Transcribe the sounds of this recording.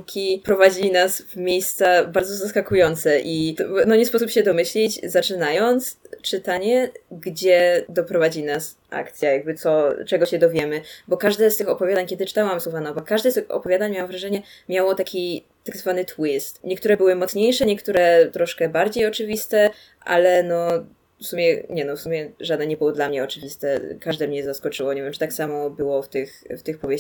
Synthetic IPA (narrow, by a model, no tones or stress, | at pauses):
kʲʰipɾɔvad͡ʑinasvmʲjejst̪sabaɾd̪zɔzaskakujɔnt̪sɛʔinɔɲɛspɔsupɕɛd̪ɔmɘɕlʲit͡ɕzat͡ʂɘnajɔnt̪st͡ʂɘt̪aɲɛɡd͡ʑɛd̪ɔpɾɔvad͡ʑinas | ʔa̰kt̪sʲjajaɡ̚bɘt̪sɔt͡ʂɛɡɔɕɛd̪ɔvʲjɛmɘbɔkaʐd̪ɛst̪ɘxɔpɔvʲjad̪aɲkʲɛd̪ɘt͡ʂɘ̥t̪awamzuvanɔbɔkaʐd̪ɛst̪ɘxɔ̰pɔvʲjad̪aɲmawamvɾaʐɛɲɛ | mʲjawɔt̪akʲi | t̪aɡzvanɘt̪wist̪ɲɛkt̪uɾɛbɘwɘmɔt̪sɲejʂɛɲɛkt̪uɾɛt̪ɾɔʂkɛbaɾd͡ʑejɔt͡ʂɘvʲist̪ɛ | ʔa̰lɛnɔ | fsumʲjɛɲɛnɔfsumʲjɛʐad̪nɛɲɛbɘwɔd̪lamɲɛɔt͡ʂɘvʲist̪ɛkaʐd̪ɛmɲɛzaskɔt͡ʂɘwɔɲevʲjɛmt͡ʂɨt̪aksamɔbɘwɔft̪ɘxft̪ɘxpɔvjeɕ